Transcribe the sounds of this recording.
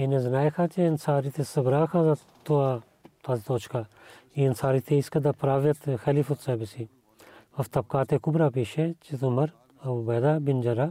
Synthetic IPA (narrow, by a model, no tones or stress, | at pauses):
enezɐnaːjkʰãːt͡ʃensaːɾit̪ʰesɐbɾaːkʰãːza | t̪oaː | t̪aːzit̪oːt͡ʃkaː | eːnsaːɾiːt̪ʰeːiskɐd̪apɾaːʋjɐt̪xɛliːfut̪saːbɐsi | ɐft̪ɐb̚kaːt̪ekʊbɾaːpeːʃet͡ʃit̪umɐɾ | ɐbɐːd̪aːbɪnd͡ʒɐɾaː